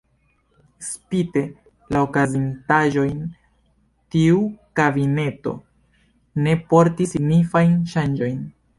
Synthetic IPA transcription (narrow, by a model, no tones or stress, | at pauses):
spite̞ | laokazintaʒo̞jn | tiukabine̞to̞̰ | ne̞po̞ɾtisiɡnifajnʃand͡ʒo̞jn